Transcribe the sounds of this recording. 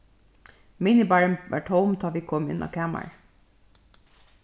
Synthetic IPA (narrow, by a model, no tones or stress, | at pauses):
minɪbæɹənʋæ̰ʈʰhoʊmt̪ʰɑːʋikʰɔmɪ̰nɑ̰ːkʰæːma̰ɹ